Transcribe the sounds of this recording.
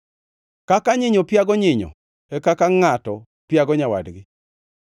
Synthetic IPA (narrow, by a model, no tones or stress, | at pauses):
kakaɲɪɲɔpjaɡɔɲɪɲɔ̰ | ɛkakaŋatɔ | pjaɡɔɲawa̰dɡɪ